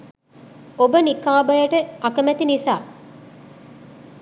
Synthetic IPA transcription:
obənikaːbɐjɐʈəʔɐkɐmæt̪inisaː

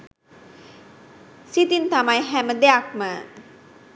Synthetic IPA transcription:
sit̪int̪amajɦæməd̪ejakmə

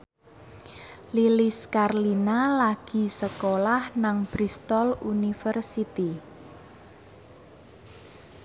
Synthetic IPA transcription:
liliskarlinalaɡ̥i̤səkolahnaŋb̥ɾist̪ɔlunifərsit̪i

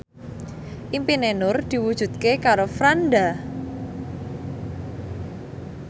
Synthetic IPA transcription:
ʔimpinenʊrd̪̥i̤wud̥ʒ̥ṳdt̪̚kekaɾofɾanda

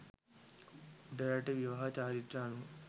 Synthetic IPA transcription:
ɖɐɾɐʈiʋjɐʋɐɦɐt͡ʃaːɾiʈ̪ɾaːnu

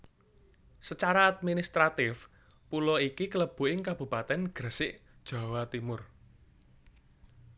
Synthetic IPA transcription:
sət͡ʃaɾaːd̪̚minist̪ɾat̪ɪf | pulɔikikələb̥ṳʔɪŋkab̥ṳpat̪ɛnɡ̥ə̤sɪʔd̥ʒ̥a̤wat̪imʊr

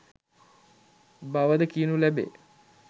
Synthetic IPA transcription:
baʋəd̪əkinulæbḛː

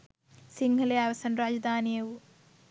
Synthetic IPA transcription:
siŋɡʱɐlejaːʋɐsɐnɾaːd͡ʒɐd̪ʱaːnijɐwu

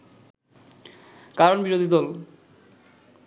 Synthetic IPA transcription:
kaɾonbiɾod̪ʱid̪ɔl

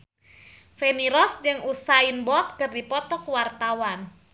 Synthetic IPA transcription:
feniɾɔsd͡ʒɨŋusainbɔt̪̚kɨrdipɔt̪ɔkwart̪awan

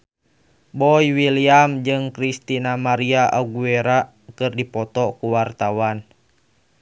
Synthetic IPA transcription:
bɔjwiliamd͡ʒɨŋkɾist̪inamaɾiaʔaɡueɾa | kɨrdipɔt̪ɔkuwart̪awan

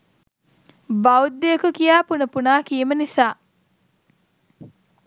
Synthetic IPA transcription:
bɐud̪ːejɐkukijaːpunɐpunaːkiːmɐnisaː

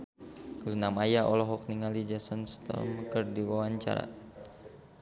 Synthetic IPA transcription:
lunamajaʔɔlɔɦɔk̚niŋalid͡ʒasənst̪ɔ̰mkərdiwawaɲt͡ʃa̰ɾa̰

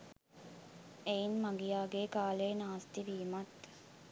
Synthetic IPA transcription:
einmaŋɡijaːɡeːkaːleːnaːst̪iʋiːmɐt̪

